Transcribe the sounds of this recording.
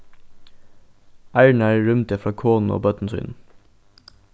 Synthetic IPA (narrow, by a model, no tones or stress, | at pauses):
ʔæɪɳæːɹɹʉmt̪ɛfɾɑːkʰoːnn̩o̰ːbœt̪n̩sʏ̰n̩